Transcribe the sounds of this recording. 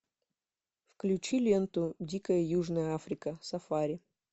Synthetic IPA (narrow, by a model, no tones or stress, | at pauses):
fklʲʉt͡ɕilʲent̪ʊdʲikəjəjuʐnəjəafɾʲɪkəsɐfaɾʲɪ